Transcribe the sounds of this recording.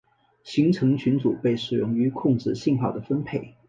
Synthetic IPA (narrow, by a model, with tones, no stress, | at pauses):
ɕi˧˥ŋʈ͡ʂʰɤ˧˥ŋt͡ɕʰy˧˥nt͡su˨˩pe˥˩ɪʂɻ̩˨˩jʊ̰˥˩ŋy˧˥kʰʊ˥˧ŋʈ͡ʂɻ̩˥˧ɕi˥˧nxɑ˥˩ʊd̪ə˩fə˥npʰe˥˩ɪ